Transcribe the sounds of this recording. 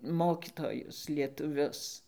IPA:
ˈmoːkʲɪtoːjʊs lʲiɛtʊˈʋʲʊs

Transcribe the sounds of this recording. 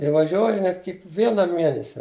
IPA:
ɪ ʋɐˈʒʲuɔj ɐˈnʲiɛ kʲɪkˈʋʲiɛnɐ ˈmʲiɛnʲɛsʲɛ

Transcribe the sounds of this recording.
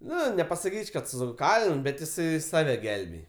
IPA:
ˈnʊ nʲɛpɐsɐˈkʲiːt͡ʃʲ kɐt stʊˈkɑːlʲɪn bʲɛt jɪˈsɐɪ ˈsɑːʋʲɛ ˈɡʲɛlʲbʲeːj

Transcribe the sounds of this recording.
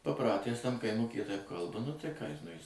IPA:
pɐˈprɑːtʲæːs tɐm kɐɪˈmʊkʲiːjɛ tɐɪp ˈkɐlˠbɐ nʊ tɐɪ kɑː jɪs nʊ jɪs

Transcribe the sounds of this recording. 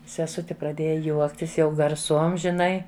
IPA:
sʲɛˈsʊtʲɪ prɐˈdʲeːjɛ ˈjuɔktʲɪs jɛʊ ɡɐrˈsuɔm ʒʲɪˈnɐɪ

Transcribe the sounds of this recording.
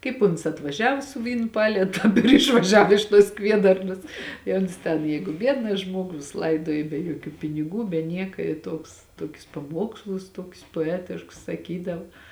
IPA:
ˈkɐɪp ʊns ɐtʋɐˈʒʲæːʋoː sʊ ˈʋʲiːnʊ ˈpɑːlʲeːtʊ ɪr ɪʃʋɐˈʒʲɛw ɪʃ tuɔs ˈkʋʲiɛdɐrnɐs ɪ ˈoːns tʲɛn ˈjɛɪɡʊ ˈbʲiɛdnɐ ˈʒmuɔɡʊ jɪs ˈlˠɐɪduɔjɪ bʲɛ juɔˈkʲuː pʲɪnʲɪˈɡuː bʲɛ ˈnʲiɛkɐ ɪ ˈtuɔks ˈtoːkʲʊs pɐˈmuɔkslˠʊs ˈtoːkʲʊs poːˈæːtʲɪʃkʊs sɐˈkʲiːdɐw

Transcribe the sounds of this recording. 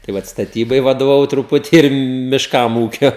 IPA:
tɐɪ ˈʋɐt stɐˈtʲiːbɐɪ ʋɐdoːʋɐˈʋɐʊ trʊˈpʊtʲiː ɪr mʲɪʃˈkɐm ˈuːkʲɛ

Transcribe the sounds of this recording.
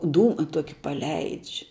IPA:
ˈduːmɐ ˈtoːkʲɪ pɐˈlʲɛɪt͡ʃʲ

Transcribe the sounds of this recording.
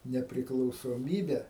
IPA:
nʲɛpʲrʲɪklˠɐʊsoːˈmʲiːbʲɛ

